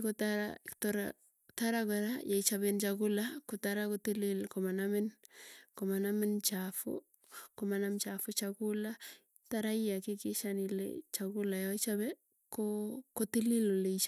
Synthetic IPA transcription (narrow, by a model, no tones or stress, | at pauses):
kotaɾa̰toɾa̰ | taɾakaɾajait͡ʃaβent͡ʃakulakotaɾakotililkomanamɪnkomanamɪnt͡ʃafʊ̰ | komanamt͡ʃafʊt͡ʃakula | taɾaijakɪkɪʃanilḛt͡ʃakulajait͡ʃabɛ | kokotililoleit͡ʃ